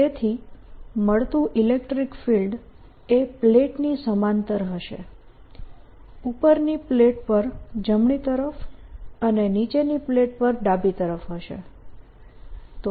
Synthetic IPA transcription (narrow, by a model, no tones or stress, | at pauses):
et̪ʰiməɭt̪ũʔilekʈɾikfilɖ | epleʈnisəmant̪əɾɦəʃḛ | upəɾnipleʈ̚pəɾd͡ʒəmɳit̪əɾəfənenit͡ʃenipleʈ̚pəɾɖabit̪əɾəfɦəʃḛ | t̪o